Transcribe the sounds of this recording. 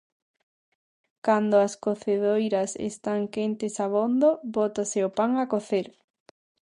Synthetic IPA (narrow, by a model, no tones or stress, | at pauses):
kand̪oaskoθeðojɾɐsḛst̪aŋkent̪esaβond̪oβot̪aseopaŋakoθeɾ